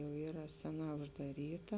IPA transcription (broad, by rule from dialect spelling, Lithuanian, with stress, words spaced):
jɛʊ ˈiːrɐ ˈsʲæːˌnɑː ʊʒdɐˈrʲiːtɐ